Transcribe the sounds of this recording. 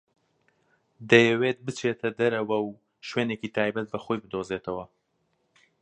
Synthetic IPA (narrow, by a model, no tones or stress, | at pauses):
d̪ɐjɛweːt̪̚bɨt͡ʃʰet̪ʰɐd̪ɐɾɐwɐw | ʃweːnecit̪ʰaːjbɐt̪̚bɐxojbɨd̪ozeːt̪ʰɐwɐ